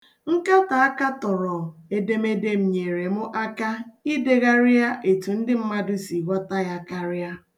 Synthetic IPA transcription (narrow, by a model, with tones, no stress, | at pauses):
ŋ̩˦ka˦ta˨a˦ka˦tɔ˨ɾɔ˨e˦de˦me˦de˦m̩˨ɲe˨ɾe˨mʊ˦ʔa˦ka˦i˦de˦ɣa˦ɾja˦ʔe˨tu˨n̩˦dɪ˦m̩˦ma˦dʊ˦si˨ɡʷɔ˦ta˦ja˦ka˦ɾja˦